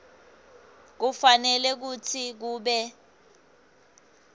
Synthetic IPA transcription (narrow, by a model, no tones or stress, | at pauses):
k̬ufanɛlɛk̬ut͡sʰik̬uːɓɛ